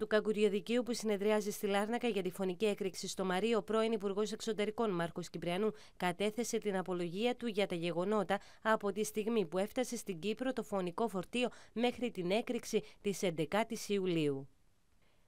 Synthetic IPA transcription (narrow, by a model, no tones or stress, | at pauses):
t̪ukɐkuɾʝo̞ðiciupusine̞ðɾiɐzist̪ilɐɾnɐkɐʝɐt̪ifo̞nicie̞kɾiksist̪o̞mɐɾio̞pɾo̞inipuɾɣo̞se̞kso̞t̪e̞ɾiko̞nmɐɾko̞scipɾiɐnu | kɐt̪e̞θe̞se̞t̪inɐpo̞lo̞ʝiɐt̪uʝɐt̪ɐʝe̞ɣo̞no̞t̪ɐ | ɐpo̞t̪ist̪iɣmipue̞ft̪ɐse̞st̪iɲɟipɾo̞t̪o̞fo̞niko̞fo̞ɾt̪io̞me̞xɾit̪ine̞kɾiksit̪ise̞nd̪e̞kɐt̪isiuliu